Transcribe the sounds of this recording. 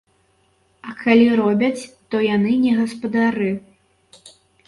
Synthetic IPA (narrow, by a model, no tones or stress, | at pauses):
ɐkʰalʲiɾɔbʲɐt͡sʲt̪ɔjanɨnʲɛɣɐspɐd̪aɾɨ